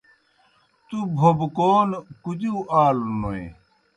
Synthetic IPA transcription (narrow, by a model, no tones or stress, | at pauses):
t̪ubʱobkoːnkud͡ʑiʔaːlnoḛ